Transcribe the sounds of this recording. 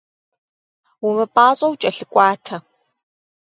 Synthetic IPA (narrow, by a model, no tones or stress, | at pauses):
wʊmɐpʼaːɕʼɐwt͡ʃʼɐɬɨkʷʼɑːtʰɐ